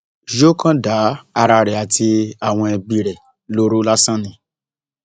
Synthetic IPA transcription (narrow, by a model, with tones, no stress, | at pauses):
d͡ʒo˦kʰã˦da˨˦a˧ɾa˧ɾɛ˨a˨ti˧a˨w̃ɔ̃˧ɛ˧bi˨ɾɛ˨ | lo˦ɾu˦la˦sã˦nĩ˨